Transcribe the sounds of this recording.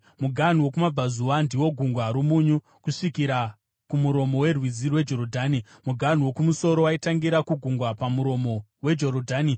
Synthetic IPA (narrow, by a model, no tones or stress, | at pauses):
muɡʱan̤uwo̞kumab͡vazuwandiwo̞ɡʱuŋɡwaɾumuɲu | kuʂikiɾa | kumuɾo̞mo̞we̞rwid͡zirwe̞d͡ʒo̞ɾodʱaːni | muɡʱan̤uwo̞kumuso̞ɾowaitaŋɡiɾakuɡʱuŋɡwapamuɾo̞mo̞we̞d͡ʒo̞ɾodʱaːni